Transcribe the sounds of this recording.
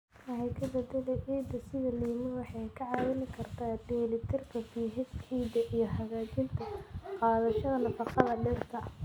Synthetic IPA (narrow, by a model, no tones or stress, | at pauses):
ɐɦɛkʰɐðd̪ɐd̪ɛlɛʔiːd̪ɐsɪðɐlɐjɪmɪwɑħɑjkʰɐʕɑːwɐnɪkʰɐrt̪ʰaːdɛːlɪt̪ʰɛrkʰɐfiːɦɪsħiːd̪ɐʔijɞɦɐɣaːt͡ʃɪnt̪ʰɐqɑːðɐʃɐðɐnɐfɑqɑðɐɖɛrt̪ʰɐ